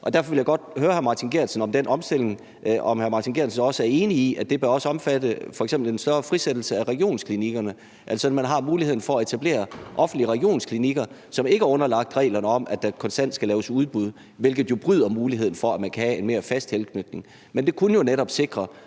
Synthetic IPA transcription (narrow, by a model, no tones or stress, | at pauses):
ʔɒ̽d̥æɐ̰fɒ̽ʋe̝ljäɪɡ̥ɒ̽d̥̚høːɐhæɐmɑ̈ːt͡sʰinɡ̥e̝ɐ̰nsənɒ̽md̥enʔɒ̽msd̥e̝l̰e̝ŋ | ɒ̽mhæɐmɑ̈ːt͡sʰinɡ̥e̝ɐ̰nsnɒ̽səæɐe̝ːniiʔæd̥e̝b̥ɶɐɒ̽səɒ̽mfæd̥əfɒ̽eɡ̥sembl̩ensɶɐfʁised̥l̩səæʁɛɡ̥ijo̝̰ːnskʰliniɡ̥ɐnə | ʔælsɒ̽mænɦɑ̈muːlihḛn̩fɒ̽æe̝t͡sʰæb̥le̝̰ːɐʔɒ̽fn̩d̥liəʁɛɡ̥ijo̝̰ːnskʰliniɡ̥ɐ | sɒ̽me̝ɡ̥əæɐɔ̽nɐlɑ̈ɡ̥̚d̥ʁɛ̰ːlɐnəɒ̽mʔæd̥ækʰɒ̽nsd̥æn̰d̥sɡ̥ælɛːʊəsuð̞ˠb̥uð̞ˠ | ʋe̝lɡ̥ð̞̩ˠjo̝b̥ʁyð̞̰ˠɐmuːlihe̝ð̞̰ˠn̩fɒ̽æmænkʰæhæe̝nme̝ːɐfæsd̥helkʰnød̥ne̝ŋ | mend̥e̝kʰunəjo̝neɾɒ̽b̥se̝ɡ̥ʁɐ